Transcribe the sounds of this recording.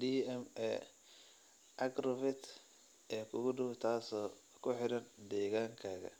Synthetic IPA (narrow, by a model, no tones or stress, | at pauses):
diɛmɛ̰ | ʔɐɡrɔvɪt̪ | ʔɛːkʰʊɣʊɖʊwʊt̪ʰaːsɔː | kʰʊħɪɾɐnd̪ɛːɣaːŋkʰaːɣɐ̰